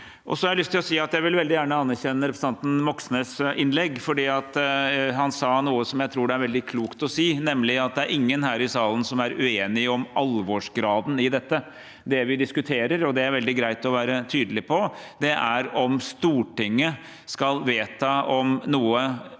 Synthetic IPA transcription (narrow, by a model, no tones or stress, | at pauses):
ʔɔ̰sɔhɑɾjælʏst̪ʰːɪlɔsiːɑt̪jæɪʋɪlʋɛld̪ɪjæːɳəɑnːæɾɕɛnːəɾɛpɾəs̩n̩ɑnt̪n̩mɔksnəsʔɪnlɛɡfɔɖiːɑt̪ɦɑnsɑːnuːəsɔmjæɪt̪ʰɾuːɖɛæɾʋɛld̪ɪkʰluːkt̪ɔsiːnɛmlɪɑt̪̚d̪ɛæɾʔɪŋːənɦæːɾɪsɑːlənsɔmæɾʉeːnɪɔmʔɑlʋoːʂɡɾɑːd̪n̩ɪd̪ɛt̪ːə | d̪ɛʋɪd̪ɪskʉt̪ʰeːɾəɾɔd̪ɛæɾʋɛld̪ɪɡɾæɪt̪ɔʋæːɾət̪ʰyːd̪əlɪpʰɔd̪̥ɛʔæɾɔmst̪uːʈɪŋːə | skɑlʋeːt̪ʰɑɔmnuːə